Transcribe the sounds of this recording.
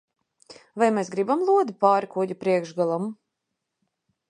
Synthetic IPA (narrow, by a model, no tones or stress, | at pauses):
vajmɛsɡɾibamlˠuɔd̪ipaːɾikuɟʲupɾiɛkʒɡalˠam